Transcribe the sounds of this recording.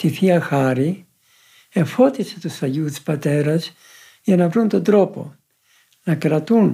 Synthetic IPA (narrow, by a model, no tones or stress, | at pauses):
t̪iθiɐxɐɾi | e̞fo̞t̪ise̞t̪usɐʝust̪i̥spɐt̪e̞ɾɐz | ʝɐnɐvɾunt̪o̞nd̪ɾo̞po̞̰ | nɐkɾɐt̪un